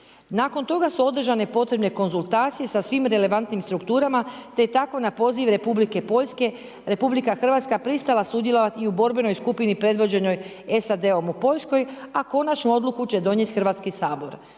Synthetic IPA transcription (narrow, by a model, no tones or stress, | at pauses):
naːko̞nt̪o̞ɡasuo̞d̪r̩ʒane̞po̞t̪ɾe̞bne̞ko̞nzulˠt̪aːt̪sije̞sasʋimɾe̞le̞ʋant̪nimst̪ɾukt̪uːɾamat̪e̞t̪ako̞napo̞ːziʋɾe̞publike̞po̞ʎske̞ | ɾe̞publikaxr̩ʋat̪skapɾist̪alˠasud̪je̞lo̞ʋat̪iubo̞ɾbe̞no̞jskupinipɾe̞d̪ʋo̞d͡ʑe̞no̞j | e̞sad̪e̞omupo̞ʎʲsko̞jako̞nat͡ʃnuo̞d̪lukut͡ʃt͡ɕe̞d̪o̞ɲje̞t̪xrʋat̪skisaːbo̞̰ɾ